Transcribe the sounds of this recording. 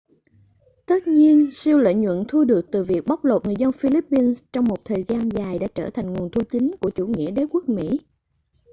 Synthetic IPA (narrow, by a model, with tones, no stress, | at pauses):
t̪ə˦˥t̚ɲi˧ənsi˧əwlḛ˧˨ɲwə̰˧˨nt̪ʰu˧ɗɨ˨˩ək̚t̪ɨ˨˩vi˨˩ək̚ɓa˦˥wk͡p̚lo˨˩t̚ŋɨ˨˩əjzə˧nfi˧li˦˥pːi˧nst͡ɕɔ˧wŋ͡mmo˨˩t̚t̪ʰəː˨˩jzaː˧nzaː˨˩jɗa̰ː˧˥t͡ɕəː˧˩t̪ʰa˨˩jŋ̟ŋu˨˩ənt̪ʰu˧t͡ɕï˨˦ŋ̟ku˧˩ət͡ɕu˧˩ŋḭ˧˥əɗe˨˦ku˦˥ək̚mḭ˧˥